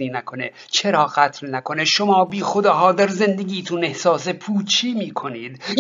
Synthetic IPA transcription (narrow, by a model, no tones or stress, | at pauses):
iːnækʰo̞ne | t͡ʃʰeɾɒːɣæt̪ʰlnækʰo̞neʃomɒːbiːxod̪ɒːɦɒːd̪æɾzend̪eɡʲiːt̪ʰunehsɒːsepʰuːt͡ʃʰiːmiːkʰo̞niːd̪